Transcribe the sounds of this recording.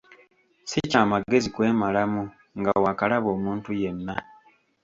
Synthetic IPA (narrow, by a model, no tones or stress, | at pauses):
sicaːmaɡe̞zikwe̞ːmalamu | ŋɡawakalaβo̞ːmuːntuje̞nːa